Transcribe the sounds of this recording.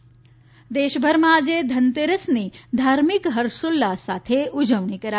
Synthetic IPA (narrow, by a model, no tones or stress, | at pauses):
d̪eːʃbʱəɾmãd͡ʒed̪ʱɐnt̪eɾəsniːd̪ʱaːɾmikɦɐɾsulːasaːt̪ʰeʊd͡ʒəʋɳikɐɾa